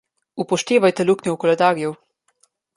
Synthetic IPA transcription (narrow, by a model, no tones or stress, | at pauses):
upɔʃt̪eːʋajt̪ɛluknʲɛwkɔlɛd̪aːɾjɛw